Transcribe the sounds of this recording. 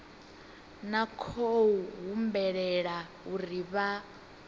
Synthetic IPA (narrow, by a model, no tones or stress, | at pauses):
nakʰouɦumbɛɺɛɺa | uɾiβa